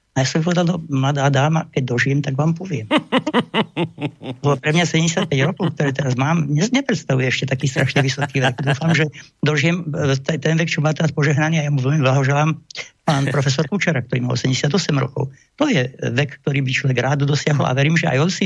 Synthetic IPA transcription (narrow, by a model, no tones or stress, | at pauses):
ajaːsɔmip̬ɔʋɛd̪ald̪ɔmlad̪aːd̪aːmakɛɟ̚d̪ɔʒijɛmt̪aɡʋaːmpɔʋɪɛm | ɔpɾɛmɲasɛɟɛmɟɛsjat̪̚pɛɟɾɔkɔʊkt̪ɔɾɛːt̪ɛɾazmaːmɲɛɲɛpɾɛt̪st̪aʋujɛɛʃcɛt̪akiːst̪ɾʔaʃɲɛʋisɔkiːʋɛɡd̪uːfamʒɛ | d̪ɔʒɪɛmt̪ɛt̪ɛnʋɛk̚t͡ʃɔmaːt̪ɛɾaspɔʒɛɦnaniːajamuʋɛʎmiblaɦɔʒɛlaːmpaːnpɾɔfɛs̬ɔɾkut͡ʃɛɾakt̪ɔɾiːma̰lsɛɛmɲɟɛsjad̪ɔsɛmɾɔ̰kɔ̰ʊ | t̪ɔjɛʋɛkːt̪ɔɾiːbit͡ʃlɔʋɛɡɾaːd̪d̪ɔd̪ɔsɪaɦɔla̰ʋɛɾiːmʒɛa̰jɔnsi